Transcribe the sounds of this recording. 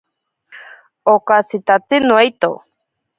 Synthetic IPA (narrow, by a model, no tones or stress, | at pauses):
okasit̪at͡sinuajt̪o̰